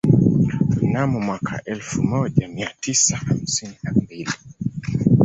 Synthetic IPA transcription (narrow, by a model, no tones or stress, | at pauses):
m̩namumwakʰa̰ʔɛlfumɔʄamiatisaham̩sininambili